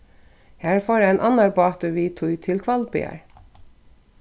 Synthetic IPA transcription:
hææːɾfoːɾəɛːnʔɑnɑɹbɑːt̪ʉʋiːt̪ʰʊʏt̪ʰɪlkʰʋɑlbɪ̰æ̰ɹ

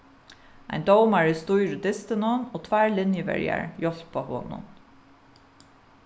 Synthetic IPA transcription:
a̰ɪnd̪owmaɹɪst̪ujɾəd̪ɪst̪ɪnʊnoːt̪ʰvæːɹlɪnjəvɛ̰ɹja̰ɹjɔl̥pʰːɔːho̰ːnʊ̰n

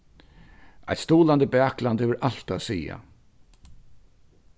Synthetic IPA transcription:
a̰jt̪st̪uːland̪əbæːkland̪hɛːʋəɾʔal̥t̪asiːa̰

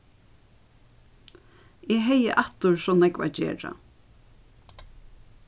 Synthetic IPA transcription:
ʔɛɦɛjə̰ʔɑt̪ʊɹsɔnɛkʋa̰d͡ʒḛːɹa̰

